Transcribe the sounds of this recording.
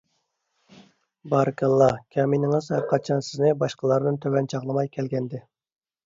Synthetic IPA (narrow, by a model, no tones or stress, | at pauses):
bɑɾɨkʰʲɑlˠːɑkʲʰɑminɪŋɨzhæɾqʰɑt͡ʃʰɑnsɪznɪbɑʃqəlˠɑɾnɨnt̪ʰøwɛnt͡ʃʰɑʁlˠɨmɑjkʲʰɛlɡʲɛnd̪ɪ